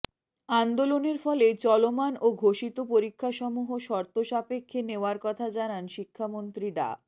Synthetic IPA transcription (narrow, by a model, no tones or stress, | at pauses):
and̪oloneɾfɔlet͡ɕɔlomanoɡʱoʃit̪opoɾikʰːaʃɔmuɦoʃɔɾt̪oʃapekʰːeneoaɾkɔt̪ʰad͡ʑananʃikʰːamont̪ɾiɖa̰